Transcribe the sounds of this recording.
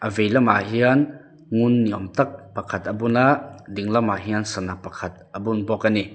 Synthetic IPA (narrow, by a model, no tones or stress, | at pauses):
ʔɐvejlɐmaɦian | ŋʊnːiɔmt̪ɐk̚pɐkʰɐt̪ɐbunad̪iŋlɐmaɦiansɐnapɐkʰɐt̪̚ɐbunbɔkani